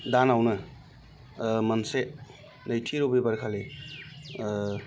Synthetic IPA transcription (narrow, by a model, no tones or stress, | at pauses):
danawnɯ | mɐnse | najtʰiɾubibaɾkʰale